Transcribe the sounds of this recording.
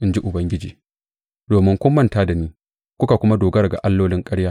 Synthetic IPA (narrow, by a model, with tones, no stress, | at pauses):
ʔɪ˦nd͡ʒi˦ʔʊ˨bɐ˦ŋɡʲɪ˦d͡ʒḭː˨ | doː˨mɪ˦ŋkʷʊ˦mːɐ˦ntaː˦da˨niː˦ | kʷʊ˦ka˨kʷʊ˦ma˦doː˨ɡɐ˦ɾɡa̰˨ʔa˦lːoː˦lɪ˦ŋkʼɐ˦ɽjaː˦